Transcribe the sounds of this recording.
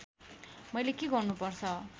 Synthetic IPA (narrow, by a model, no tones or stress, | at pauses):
mʌjlekeɡʌrnupʌrt͡sʰʌ